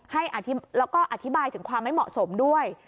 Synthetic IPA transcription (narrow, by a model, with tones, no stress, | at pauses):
ha˥˩jʔa˨˩t̪ʰi˦˥lɛː˦˥wkɔː˥˩ʔa˨˧t̪ʰi˦˥baː˧jt̪ʰɯ˩˦ŋkʰwaː˧mːa˥˩jmɔ̰˨˩ʔso˩˦mdu˥˩əj